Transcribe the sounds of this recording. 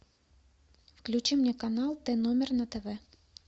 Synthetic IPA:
fklʲʉt͡ɕimnʲɛkanalˠt̪ɛnomʲɪrnɐt̪ɛvɛ

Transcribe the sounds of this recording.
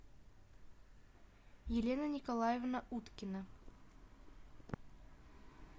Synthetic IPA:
jelʲenənʲɪkolˠajevnaʔut̪kʲɪnə

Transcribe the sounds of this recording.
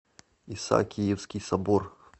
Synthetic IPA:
isa̰kʲijɛwskʲisɐbɔr

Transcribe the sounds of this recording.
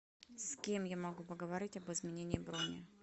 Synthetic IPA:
skʲe̞mjamɐɡupəɡəvɐɾʲitʲɐbɨzmʲɪnʲenʲɪːɪbɾonʲɪ̰

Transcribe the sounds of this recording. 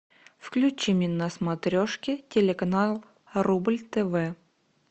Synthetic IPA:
fklʲʉt͡ɕːɪmʲɪnəsmɐt̪ɾʲoʂkʲɪtʲɪlʲɪkɐnalˠ | rublʲt̪ɛvɛ

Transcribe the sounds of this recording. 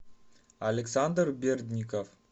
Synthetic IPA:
alʲeksand̪rbʲerd̪ʲnʲikof

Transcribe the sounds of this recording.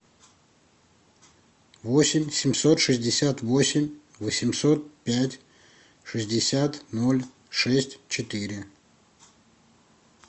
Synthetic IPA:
vo̞sʲɪmʲsʲɪmso̞t̪ʂɨzʲdʲɪsʲat̪vo̞sʲɪmʲ | vəsʲɪmso̞t̪̚pʲætʲ | ʂɨzʲdʲɪsʲat̪no̞lʲ | ʂɛsʲtʲt͡ɕɪt̪ɨɾʲɪ

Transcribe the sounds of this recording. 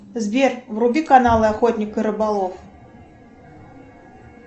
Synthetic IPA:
zʲvʲɛrwrubʲikanalˠɨaxɔt̪ʲnʲikɨɾɨbalˠɔf

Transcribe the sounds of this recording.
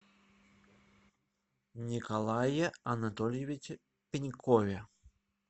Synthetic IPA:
nʲikalˠajɛɐnat̪ɔlʲjevʲit͡ʃʲ | pʲinʲkʰɔvʲɛ

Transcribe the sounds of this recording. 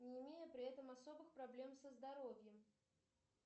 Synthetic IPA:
nʲɪːmʲejəpɾʲɪɛt̪əmɐso̞bɨxpɾɐblʲe̞msəzd̪ɐɾo̞vʲjəm

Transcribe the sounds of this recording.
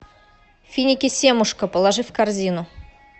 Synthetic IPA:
fʲinʲɪkʲɪsʲe̞mʊʂkəpəlˠaʐɨfkarzʲinʊ

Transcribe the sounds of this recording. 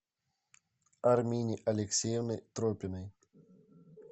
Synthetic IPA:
ɐrmʲinʲiʔɐlʲɪksʲejɛvnɨjt̪ɾɔpʲɪnɨj

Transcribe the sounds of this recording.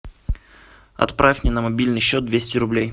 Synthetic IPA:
ɐ̰t̪pɾafʲmʲnʲenəmɐbʲilʲnɨjɕːot̪̚d̪vʲesʲtʲɪɾʊblʲej

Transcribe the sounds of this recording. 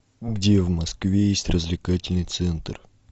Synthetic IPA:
ɡdʲe̞vmɐskvʲejesʲtʲrəzʲvlʲɪkatʲɪlʲnɨjt̪sɛnt̪r

